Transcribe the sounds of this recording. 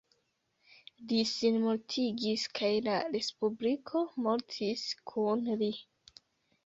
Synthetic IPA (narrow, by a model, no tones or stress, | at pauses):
lisinmoɾtʰiɡiskʰajlaɾe̞spublikʰo̞mo̞ɾtʰiskʰunli